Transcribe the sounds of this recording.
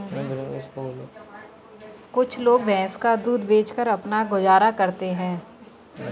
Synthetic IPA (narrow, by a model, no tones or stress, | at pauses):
sol | kʊt͡ʃʰloːɡbɛ̃ːskad̪uːd̪beːt͡ʃkəɾɐpnaɡʊd͡ʒaːɾakɐɾt̪eɦɛ̃ː